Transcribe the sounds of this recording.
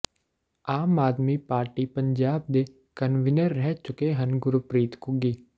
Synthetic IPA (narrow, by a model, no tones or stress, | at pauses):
aːmaːd̪mipaːɾʈipɐ̃ɲd͡ʒaːb̚d̪e | kɐnʋɪnəɾːɛɦt͡ʃʊkeɦɐnɡʊɾupɾiːt̪kuɡiː